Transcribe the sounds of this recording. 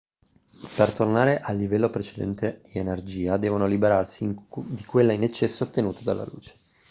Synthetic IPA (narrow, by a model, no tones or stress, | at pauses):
pert̪ornaːɾeʔalːivɛlːopɾet͡ʃed̪ɛ̰nt̪ed̪̥ienerd͡ʒiːad̪ɛːvonolibeɾarsid̪ikwelːainet͡ʃːɛsːoːt̪ːenuːt̪ad̪alːa̰lṵːt͡ʃe̥